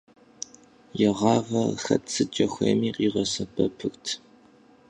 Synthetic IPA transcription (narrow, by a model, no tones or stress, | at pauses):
jɛʁɑːʁɐxɐ̰tt͡sʰɨt͡ʃʼɐxʷɐ̰jmiːqʼiːʁɐsɐpʰɐpʰɨxtʰ